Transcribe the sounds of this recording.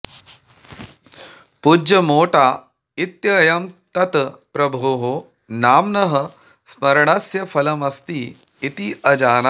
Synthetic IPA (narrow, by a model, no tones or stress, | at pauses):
pud͡ʒjɐmoːʈaː | it̪jɐjɐmt̪ɐt̪pɾɐbʱoɦo | naːmnɐɦɐ̆ | smɐɾɳɐsjɐfʰɐlɐmɐst̪iː | it̪iʔɐd͡ʒaːna